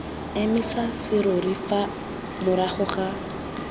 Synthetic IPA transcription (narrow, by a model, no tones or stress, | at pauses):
emɪsasɪɾʊɾifa | mʊɾaχʊχa